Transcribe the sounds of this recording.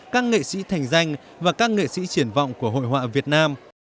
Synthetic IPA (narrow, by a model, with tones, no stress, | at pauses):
kaː˦˥k̚ŋḛ˧˨sḭ˧˥t̪ʰa˨˩jŋ̟za˧jŋ̟vaː˨˩kaː˦˥k̚ŋḛ˧˨sḭ˧˥t͡ɕi˧˩ənvɔ̰˧˨wŋ͡mku˧˩əɦo̰˧˨jɦwa̰ː˧˨vi˨˩ət̚naː˧m